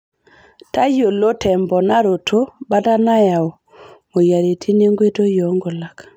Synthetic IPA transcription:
ta˦jo˨lo˦tʰɛ˨mbɔ˨na˦ɾo˨tʰo˦ba˦ta˦na˦ja˨o˨ | mo˨ja˨ɾe˨tʰi˦ne˦ŋɡwe˦to˦jɔ˨˦ŋɡo˨la˨k

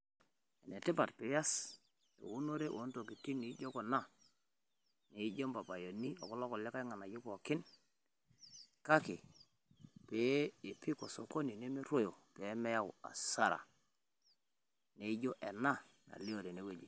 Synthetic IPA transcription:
ɛ˨ne˨tɪ˦pa˨tpe˨˦ja˦s | ḛ˨wu˦no˦ɾe˦ʔo˨˦nto˨ki˨ti˦ni˨˦d͡ʒo˦ko˨na˦ | ne˨˦d͡ʒo˦mpa˨pa˨jo˨ni˦o̰˨kɔ˦lɔ˦kɔ˨lɛ˦ka˦i˦ŋa˨na˨ju˦ko˨kɪ˦n | ka˦ki˨ | pe˨˦i˨pi˦ko˨so˨ko˦ni˨ne˦me˦ɾo˦jo˨pe˨˦mɛ˦ja˦w̰a̰˨sa˦ɾa̰˨ | ne˦i˦d͡ʒo˦ʔɛ˨na˦ | na̰˨li˦o˨ɾe˨ne˦we˦d͡ʒi˨

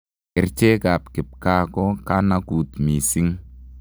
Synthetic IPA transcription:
ɪ˨ɾt͡ʃe˦ka˨pkɪ˨p̚ka˦kɔ˦ka˦na˦ku˨t̪mi˨si˦ŋ

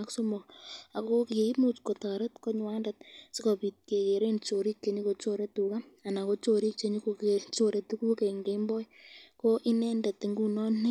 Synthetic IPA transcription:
aksomo˨ka˨ko˦ki˨i˦mut͡ʃkota˨ɾetko˦ɲwa˦ndat̚sɪ˦kɔ˨pi˨t̚ke˨ke˨ɾent͡ʃo˨ɾi˦kːe˨ɲi˦ko˨t͡ʃoɾe˦tu˨ka˦a˨na˨ko˦t͡ʃoɾi˦k̚t͡ʃeɲi˦ko˧ket͡ʃoɾe˦tu˦ku˦ke˨ŋɡembɔ˦jko˦ʔi˦nɛnda˨ti˨ŋɡu˦nɔ˦ni˦

